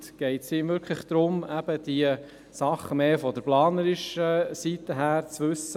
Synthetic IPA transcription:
tɡ̥ɛɪtsiːmʋʏɾkʰχlɪχd̥̪ɾʊmæb̥əd̥̪iə | sɑχəmeːfɔdəɾplɑːnəɾɪʃəsit̪əɦæːɾt͡sʋɵsːə

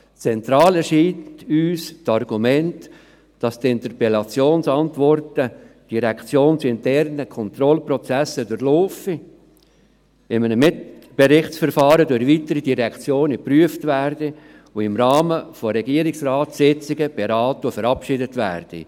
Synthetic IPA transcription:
t͡sɛnt̪ɾɑːlɛɾʃiːntyːstɑrɡ̥umɛnt | d̥ɑst̪ɪnt̪ərpɛlɑt͡sjoːnsɑntʋɔrtə | d̥iɾɛkt͡sjoːnt͡sɪntɛrnəkʰɔnt̪ɾɔlprɔt͡sæsədʊɾloːfi | ɪmənəmɪtb̥ɛɾɪχt͡sfəɾfɑːɾədʊχʋitəɾidiɾɛkʰt͡sjoːnəpryəftvæːrd̥i | ʊɪmɾɑːməfɔɾɛɡiəɾɪksrɑːtsɪt͡sɪɡəb̥eɾɑːtufəɾɑpʃɪdətvæ̰ːrd̥ḭ

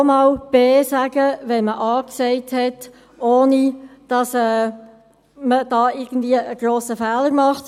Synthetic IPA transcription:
mɑːlb̥eːsæɡ̥əʋɛnməʔɑːksɛɪthɛt | oːnid̥ɑsɛː | məd̥ɑːɪɾɡ̥ən̩d̥̪viəʔəɡ̥ɾoːsəfɛːləɾmɑχt

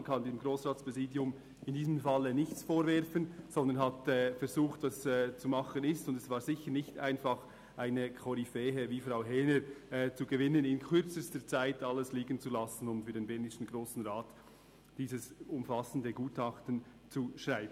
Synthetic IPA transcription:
nkʰɑndimɡɾoːsʁaːtspʁ̥ɛziːdjʊm | ɪndiːzəmfɑlːənɪçt͡sfoːɾvɛɾfənz̥ɔnd̪ənhatɛːfɛɾzuːχtvɑsɛːt͡sumɑχənɪstʊndɛsv̥aːɾzɪçəɾnɪçta̰ɪnfɑχ | ʔaɪnəkʰɔɾifɛːɦəviːfraʊɦɛːnəɾɛːt͡suɡəvɪnənɪnkʰʏɾt͡səstəɾt͡saɪtɑləsliːɡənt͡sulɑsn̩ʊmfyːɐdenbɛnɪʃn̩ɡʁoːsn̩ʁaːt | d̥iːzəsʊmfɑsəndəɡuːtɑχtən̩ | t͡suʃraɪbən̩

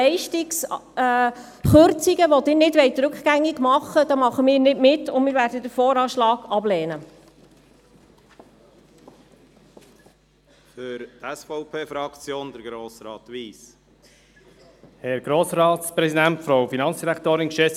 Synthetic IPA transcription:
ɛɪʃtɪks | χøɾt͡siɡəʋɔt̪ɪnɪdʋɛɪt̪ɾɵkχɡ̥æŋːɪɡ̥mɑχəd̥̪ɑːmɑχəmɪːɾnɪdmɪtːʊnmɪɾʋæːɾdəd̪əfɔːɾɑːʃlɑːɡ̥ɑbleːnə | fʏɾtɛsfɔʊpʰeːfɾɑkt͡sjoːnd̪əɾɡɾoːsɾɑːt̪ʋiːs | hɛɾɡ̥ɾoːsɾɑːt̪spɾɛsid̪æntfɾoʊfinɑntt͡sd̥iɾækt̪oːɾɪnʃɛs

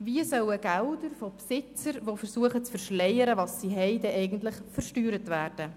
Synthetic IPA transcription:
viəsœwəɡ̥ældəɾfopsɪt͡səɾʋofəɾsuəχət͡sfəɾʃlɛjəɾəʋɑsːiɦɛɪdɛʔɛɪɡən̩tlɪχfəɾʃtyːɾətvæːrd̥ə

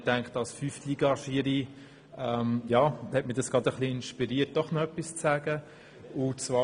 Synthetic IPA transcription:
tæŋkχtɑlsfyfliɡ̥ɑʃiɾi | ɛmjɑːhɛtmɪdɑsɡ̥ʁɑdəχliɪnʃpiɾiːət̚d̥ɔχnɔœpːist͡sæːɡə | ʊt͡svɑː

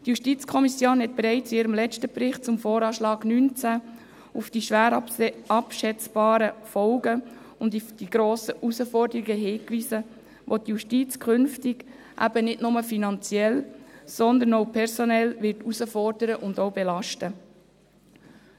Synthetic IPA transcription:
djuʃtit͡skʰɔmisjoːnhɛt̚b̥eɾɛɪt͡siɪːɾəmlɛtəbɾɪχt̚t͡sʊmfɔːɾɑːʃlɑːɡ̥nynt͡sæ | ʊfd̥iʃʋæːɾɑpʃɛt͡sb̥ɑːɾəfɔlɡə | ʊndifd̥iɡ̥ɾoːsəʔusəfɔɾdəɾiɡəɦɪːkʋiːsə | ʋʔotjuʃtit͡skʰχʏnftɪɡ̥ | ʔæ̰b̥ənɪtnʊməfinɑnt͡sjɛlsɔnd̪ənoʊpʰɛɾsɔnɛlʋɪɾtusəfɔrd̥əɾəʔʊndowbɛlɑʃtə

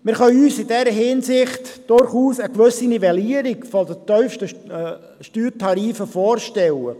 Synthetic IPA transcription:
mɪɾχœʏyːsɪdɛːɾəɦɪnsɪχtd̥ʊɾχuːsəkʋɵsinivɛliəɾiɡfɔdət̪œʏfʃtə | ʃtyːɾtʰɑɾiːfəfoːrʃtɛlə

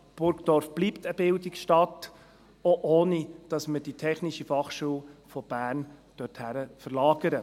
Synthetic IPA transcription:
b̥ʊɾkdɔːɾfb̥liːpt̪əbɪldikʃtɑt | oʔoːnid̥ɑsməd̥itʰɛχnɪʃifɑχʃuːlfɔb̥æːɾnd̥œthæɾəfəɾlɑːɡəɾə

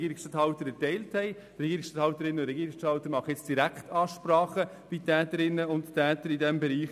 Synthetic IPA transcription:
ɡiːɾɪkstɑthɑʊtəɾɛtɛɪlthɛɪ | ɾɛɡiːɾɪksʃtɑthɑʊtəɾɪnːəʊndɾɛɡiːɾɪksʃtɑʊt̪əɾmɑχəɛt͡sd̥iɾækχtɑːʃpɾɑːχə | b̥itʰɛːtəɾɪnːəʊnttʰɛːtəɾɪdɛmbɛɾiːχ

